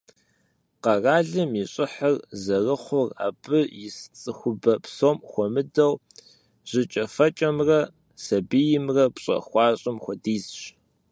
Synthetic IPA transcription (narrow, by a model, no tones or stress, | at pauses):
qɐraːɮɨmiɕʼɪħərzɐrɨχʷʊra̰ːbɨjɪst͡sʼɨxʷʊbɐpsoːmxʷɔmɨdɐw | ʑ̥ɪt͡ʃʼɐfɐt͡ʃʼɐmrɐ | sɐbijɪmrɐpɕʼɐ̰xʷɑːɕʼɪmxʷɔdiːzɕ